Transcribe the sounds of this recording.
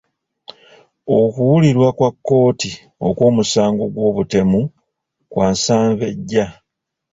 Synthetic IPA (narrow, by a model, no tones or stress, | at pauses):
o̞kuwuliɾwakwakːo̞ːti | o̞̰kwoːmusaːŋɡo̞ɡwo̞ːβute̞mu | kwaːnsaːɱve̞ɟːa